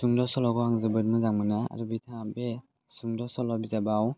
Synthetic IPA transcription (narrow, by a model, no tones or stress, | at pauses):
suŋdɔsɔlɔɡɔhaŋzɯbɯɾmɯzaŋmɯnaa̰ɾubitʰaŋbe | suŋdɔsɔlɔbizabaw